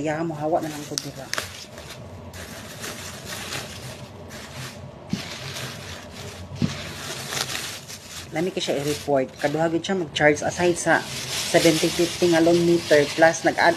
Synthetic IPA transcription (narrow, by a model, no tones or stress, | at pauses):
jahamʊɦawaʔnalaŋkʊd̪ɪɾa | lamikaʃaiɾipoɹt̪̚kad̪ʊɦaɡɪd̪̚ʃamaɡ̚t͡ʃaɹsa̰sajd̪sasɛbɛnt̪ɪfɪft̪ɪŋalonmit̪ɛɹplasnaɡa̰